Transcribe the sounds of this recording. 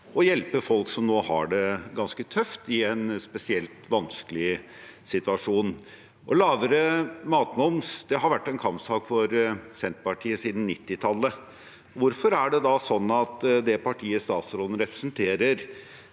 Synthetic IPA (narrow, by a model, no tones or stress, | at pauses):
ɔjɛlpəfɔlksɔmnoːhɑ̰ɖɛɡɑnskət̪ʰœft̪ɪɛnspɛsɪɛlt̪ʋɑnskəlɪ | sɪt̪ʉɑʂuːn | ʔɔlɑːʋəɾəmɑːt̪nɔmsd̪̥ɛɦɑɾʋæʈːɛnkʰɑmpsɑːkfɔɾsɛnt̪pɑʈʰiːəsiːd̪n̩ːɪt̪ːɪt̪ʰɑlːə | ɔʋʊɾfɔɾæɖɛd̪ɑsɔnːɑt̪d̪ɛpʰɑʈʰiːəst̪ɑːt̪sɾoːd̪n̩ɾɛpɾəsnt̪ʰeːɾəɾ